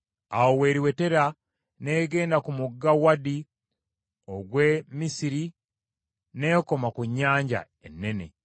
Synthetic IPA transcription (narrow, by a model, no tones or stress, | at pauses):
awowe̞ːɾiwe̞te̞ɾa | neːɡe̞ːndakumuɡːawadi | oɡwe̞misiɾi | ne̞ko̞makuɲːaːɲɟa̰ | enːe̞ne̞̰